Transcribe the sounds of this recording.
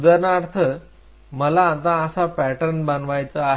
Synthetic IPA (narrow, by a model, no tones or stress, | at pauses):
d̪əɾnaɾt̪ʰə | məlaːt̪ãəsapæʈəɾnbanʋajt͡səaɦ